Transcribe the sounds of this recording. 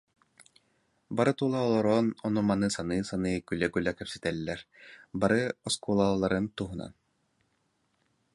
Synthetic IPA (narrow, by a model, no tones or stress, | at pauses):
baɾɯt̪ulˠaːlˠɔɾɔːnɔnumanɯːsanɯːsanɯːkylɛkylɛkɛpsi̥t̪ɛlʲːɛɾbaɾɯɔskulˠaːlˠlˠːaɾɯnt̪uɦuna̰n